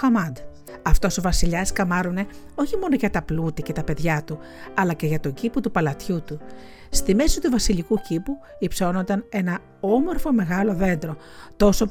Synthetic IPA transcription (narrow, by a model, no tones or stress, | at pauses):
xɐmɐnd̪ | ɐft̪o̞sovɐsiʎɐskɐmɐɾune̞ | o̞çimo̞no̞ʝɐt̪ɐplut̪ice̞t̪ɐpe̞ðʝɐt̪u | ɐlɐce̞ʝɐt̪o̞ɲɟiput̪upɐlɐt̪çut̪u | st̪ime̞sit̪uvɐsiʎikucipu | ipso̞no̞nd̪ɐne̞nɐ | o̞mo̞ɾfo̞me̞ɣɐlo̞ðe̞nd̪ɾo̞ | t̪o̞so̞